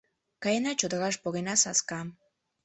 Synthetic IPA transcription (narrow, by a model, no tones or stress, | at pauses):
kajanat͡ʃot̪oɣaʃ̬poɣenasaskam